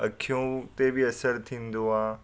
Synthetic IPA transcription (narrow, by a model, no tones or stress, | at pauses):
əkʰijõt̪ebʱiɐsəɾt̪ʰĩːnd̪oãː